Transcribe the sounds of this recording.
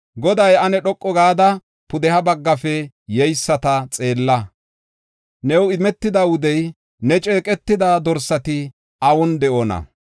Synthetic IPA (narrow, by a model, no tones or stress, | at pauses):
ɡɔd̪ɐjɐnɛɗɔkʼːɔɡaːd̪ɐ | pʊd̪ɛhɐbɐɡːɐfɛ | jɛjsːɐt̪ɐt͡sʼe̞ːlːɐ | nɛwɪmɛt̪ːɪd̪ɐwʊd̪ɛj | nɛt͡ʃʼe̞ːkʼɛt̪ːɪd̪ad̪ɔɾsɐt̪ɪ | ɐwɔnd̪ɛʔoːnɐ̰